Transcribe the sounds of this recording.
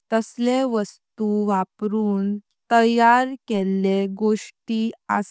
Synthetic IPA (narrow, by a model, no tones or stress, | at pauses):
t̪əsleʋəst̪uʋapɾuːn | t̪əjaɾkeleɡoʂʈias